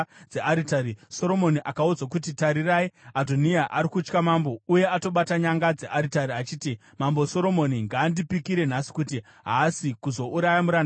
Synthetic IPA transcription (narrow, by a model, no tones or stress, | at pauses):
d͡zeaɾitaɾiso̞ɾo̞moniʔakaud͡zak̬utitaɾiraiadʱoniaʔaɾikut͡ʃkamambo̞uje̞ato̞ɓataɲaŋɡad͡zeʔaɾitaɾiat͡ʃiːti | mambo̞so̞ɾo̞mo̞niŋɡaːndipikiɾe̞n̤asi̥kuti | ɦasikuzo̞ʔuɾajamuɾana